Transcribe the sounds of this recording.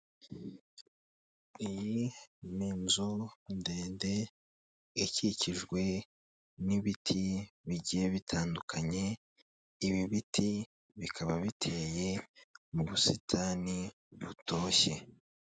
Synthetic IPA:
ijimiːnzonde̞ːnde̞ː | ciciʒɡwe̞ | niβitʰiβiɟijeβitʰaːndukʰaɲe̞ | iβiβitʰi | βikʰaβaβitʰe̞ːje̞muβusitʰani | βutʰo̞ːçe̞

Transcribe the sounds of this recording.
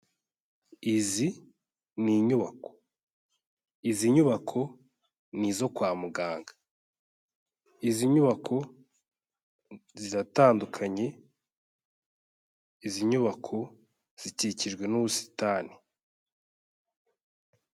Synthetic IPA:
izi | niːɲuβako̥ | iziɲuβakʰo̞ | nizo̞kwaːmuɡaːŋɡḁ | iziɲuβakʰo̞ | ziɾataːndukʰaɲe̞ | iziɲuβakʰo̞ | z̥iticiʒɡwe̞nuβusi̥taːni

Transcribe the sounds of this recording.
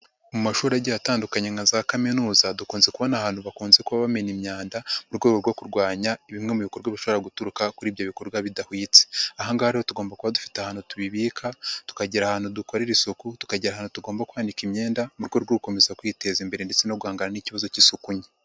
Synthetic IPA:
mumaʃuːɾaɟaataːndukaɲaŋɡazakaminuːzadukuːnze̞kuβo̞nahaːn̥huβakuːnze̞kuβaβame̞nimɲaːndamuɾɡwe̞ːɡoɾɡokuɾɡwaːɲaiβimŋe̞muβikoɾɡwaβiʃo̞βoɾaɡutuɾukakuɾiːβjoβiko̞ɾɡwaβidahwiːt͡se̥ahaŋɡahaɾiho̞tuɡo̞ːmbakuβadufi̥tahaːnhutuβiβiːkʰatu̥kaɟiɾahaːn̥huduko̞ɾeɾisokutu̥kaɟiɾahaːnhutuɡo̞ːmbakwaːndikimɲe̞ːndamuɾɡo̞ɾɡuko̞mezakwite̞ːzimbe̞ɾendet͡se̞noɡwhaːŋɡananiciβazo̞cisukuɲe

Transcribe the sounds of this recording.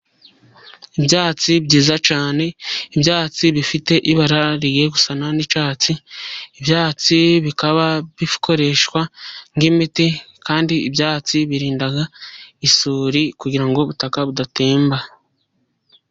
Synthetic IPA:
ibjaːt͡siβɟiːzat͡ʃaːne̞ibjaːt͡siβifite̞ʔiβaɾaɾiɡeɡu̥sananit͡ʃaːt͡siːbjaːt͡siβikaβaβikʰo̞ɾe̞ʃkwaŋɡimitekaːndiːbjaːt͡siβiɾiːndaɡaisuːɾikuɟiɾaŋɡo̞βutakaβudate̞ːmba

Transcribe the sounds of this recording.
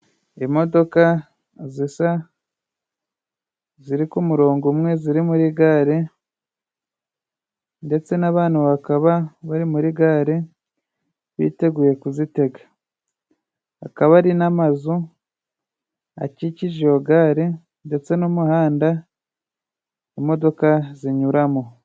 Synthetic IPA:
emo̞do̞ka | zisa | ziɾikumuɾo̞ːŋɡumŋe̞ziɾimuɾiɡaːɾe | nde̞t͡se̞naβaːnaβakaβaβaɾimuɾiɡaːɾe | βḭte̞ɡuːje̞kuzite̞ɡa | a̰kaβaɾinamazu | a̰ciciʒeoɡaːɾe | nde̞t͡se̞nomuhaːnda | imo̞do̞kaziɲuɾamo

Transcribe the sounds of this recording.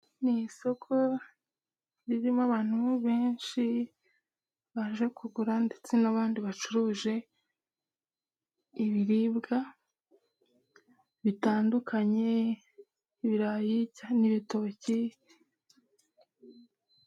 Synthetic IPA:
niso̞kʰo̞ | ɾiɾimaβaːn̥huβeːnʃi | βaʒe̞kʰuɡuɾande̞t͡se̞naβaːndiβat͡ʃuɾuːʒe̞ | iβiɾibɡa | βitaːndukʰaɲe̞ | iβiɾajicaniβito̞ːci

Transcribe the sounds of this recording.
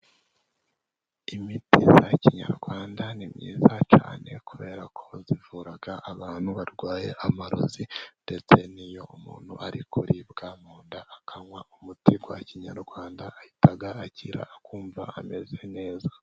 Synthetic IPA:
imitizaciɲa̰ɾɡwaːndanimɲḭːzat͡ʃa̰ːnʔe̞̰kuβe̞ːɾakʰo̞zivuːɾaɡ̥aʔːβaːn̥huβaɾɡwaːje̞ʔamaɾṵzinde̞t͡se̞nijo̞umṵːn̥huʔaɾikʰuɾibɡaːmuːndaʔakʰaŋwaumutiɡwaciɲaɾɡwaːndaːhitaɡaːciɾa̰ːkuːɱva̰ame̞ze̞ne̞ːza

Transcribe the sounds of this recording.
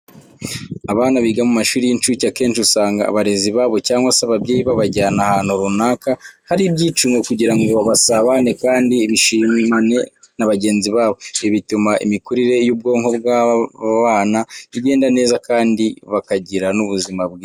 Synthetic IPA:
aβaːnaβiɡamumaʃuːɾijint͡ʃucake̞ːnʃiusaːŋɡa̰ːβaɾeziβaːβo̞caːŋɡwasaβabɟeiβaβaɟaːnahaːn̥huɾunaːkahaɾibɟiːt͡ʃuŋɡo̞kuɟiɾaŋɡo̞βasaβane̞kaːndiːβiʃiːmane̞ | naβaɟe̞ːnziβaːβo̞iβitumaʔḭmikuɾiɾe̞juːb̚ɡo̞ːŋho̞bɡaβaːnaiɟe̞ːndane̞ːzakaːndiβakaɟiɾanuβuzimabɡi

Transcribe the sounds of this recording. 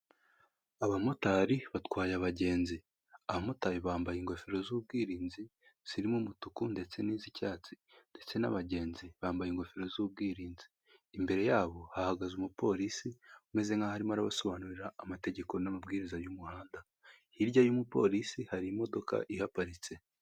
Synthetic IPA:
aβamutaɾiβatkwaːjaβaɟe̞ːnzi | aβamutaɾiβaːmbajiŋɡo̞feɾo̞zuːb̚ɡiːɾiːnzi | z̥iɾimumutukunde̞t͡se̞niːzicaːt͡si̥ | nd̥e̞t͡se̞na̰βaɟe̞ːnziβaːmbajiŋɡo̞feɾo̞zub̚ɡiːɾiːnziː | mbe̞ɾe̞jaːβo̞hahaɡazumupo̞ːɾisiume̞ze̞ŋɡahaɾimaɾaβaso̞βaːnuɾiɾaːmate̞ɟe̞ko̞namabɡiːɾizajumuhaːnda | hiɾɟajumupo̞̰ɾisihaɾiːmo̞do̞ka̰ʔihapaɾit͡se̞

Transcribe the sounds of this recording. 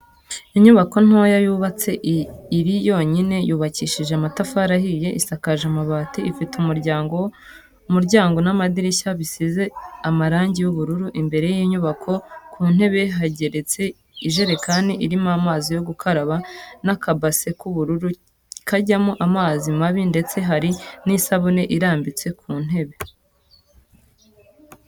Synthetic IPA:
iɲuβako̞n̥aojajuːβat͡se̞ʔiɾijo̞ːɲine̞juːβaciːʃiʒeamatafaɾahije̞ʔisakaʒamaβaːtiifitumuɾɟaːŋɡo | muɾɟaːŋɡo̞namadiɾiçaβisize̞amaɾaːɲɟijuβuɾuɾuʔimbe̞ɾe̞jiɲuβakʰo̞kuːn̥he̞βe̞ɦaɟe̞ɾe̞t͡se̞ | iʒe̞ɾe̞kaniʔiɾimamaːzijo̞ɡukʰaɾaβanakabase̞kuβuɾuɾu | kaɟamuʔamaːzimaβinde̞t͡se̞ɦaɾinisaβone̞ʔiɾaːmbit͡se̞kʰuːn̥e̞βe̞

